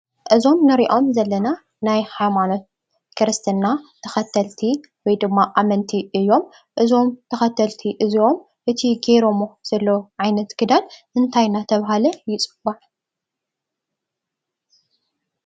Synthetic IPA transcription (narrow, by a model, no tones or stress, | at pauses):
ʔɨzo̞mnɨɾiʔo̞mzɐlːɐna | najhajmano̞t̪̚ | kʰɨɾɨst̪ʰɨnːat̪ʰɐxɐt̪ʰɐlt̪ʰi | wɔjd̪ɨmːaʔamɐnt̪ʰiɨjːo̞m | ʔɨzo̞mt̪ʰɐxɐt̪ʰɐlt̪ʰiʔɨziʔo̞m | ʔɨt̪ʰiɡeɾomoz̥ɐlːoʕajnɐt̪ɡ̥ɨd̪anʔɨnt̪ʰajnat̪ʰɐβɦalɐjɪt͡sʼɨbaʕ